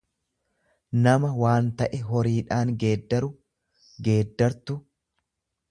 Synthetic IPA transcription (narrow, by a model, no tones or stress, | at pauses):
nɐmɐwaːnt̪ɐʔɛɦɔɾiːᶑaːŋɡe̞ːd̪ːɐɾʊ | ɡe̞ːd̪ːɐɾt̪ʊ